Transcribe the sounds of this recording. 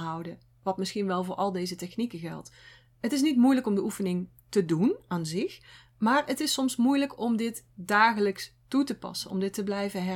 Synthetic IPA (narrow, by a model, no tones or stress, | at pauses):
ɦʌwdə | ʋɑtmɪsxinʋɛlˠvʊːɹʔɑlˠdejzətɛxnikəɣɛ̰lˠt | ətɪs̬nitmujləkɔmdəufənɪŋ | tədunaːnzɪx | maːɹətɪsɔmsmujləkɔmdɪtdaːɣələkstutəpɑ̰sənɔ̰mdɪtːəblɛjvəɦɛ